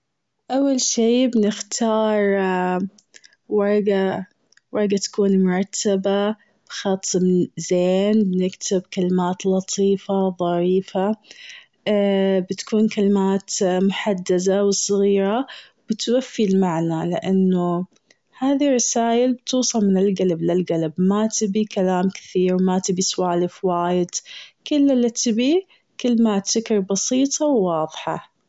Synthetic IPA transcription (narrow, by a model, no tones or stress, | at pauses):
ʔawːalʃiːbɪnɪxt̪ʰɑːɾˤ | wɑɾˤɡa | wɑɾˤɡat̪ḁkuːnmʊɾˤɑt̪ʰːaba | b̥xɑt̪ˤːmzeːnbɪnɪkt̪ʰɪbkalɪmaːt̪lɑt̪ˤʰiːfaðˤɑɾiːfa | bɪt̪ḁkʰuːnkalɪmaːt̪mʊħad̪ːazawsˤɨɣiːɾa | b̥ɪt̪wafːilmaʕnalɪ̰ʔanːʊ | haːðirˤːɑsaːjɪlbt̪uːsˤɑlmɪnɪlɡalablɪlɡalabmat̪ɪbikalaːmkɪ̥θiːɾwmat̪ɪbiswaːlɪfwaːjɪd̪̥kɪlːalːat̪ʰɪbi | kalɪmaːt̪sɪkɾˤbɑsiːt̪ˤʰɑwːɑːðˤħɑ̰